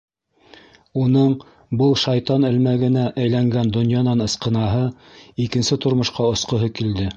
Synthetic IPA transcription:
unɤɴ | bɤlˠʃɑjt̪ɑnɘ̆lmæɡɘ̆næʔæjlæŋɡænd̪ŏnjɑnɑnɤ̆sqɤ̆nɑɦɤ | ikɘ̆nsɘt̪ŏɾmŏʃqɑŏsqŏɦɤkild̪ɘ

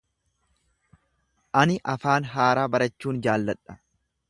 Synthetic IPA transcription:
ʔɐnɪʔɐfaːnɦaːɾaːbɐɾɐt͡ʃːuːnd͡ʒaːlːɐᶑʼɐ̥

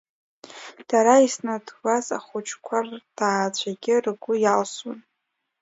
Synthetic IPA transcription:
d̥aɾaisnadwaza̰χʷʊt͡ʃʰkʷʰard̥aːt͡ɕʷʰaɡʲɪrɡʷʊjalsun

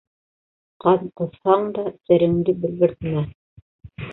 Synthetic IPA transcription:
qɑðqɤ̆θhɑɴd̪ɑsæ̆ɾɘ̆nd̪ɘbɘ̆lɡɘ̆ɾt̪mæ

